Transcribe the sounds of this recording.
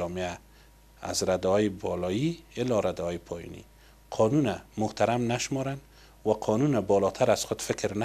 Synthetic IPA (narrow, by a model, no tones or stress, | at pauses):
ɔmea | a̰zɾad̪ɔjɪbɔlɔjiɪlːɔɾad̪aɔjɪpʰɔjɔ̰nḭ | qʰɔnunamʊht̪aɾamnaʃmɔɾan | waqʰɔnunabɔlɔt̪ʰaɾazxʊd̪fɪkɾna